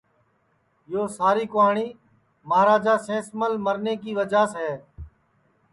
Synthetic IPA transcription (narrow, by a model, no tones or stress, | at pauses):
joːsaːɾiːkʊɦaːɳiː | maːɾaːd͡ʒaːsẽːsməlməɾneːkiːʋəd͡ʒaːsɦɛː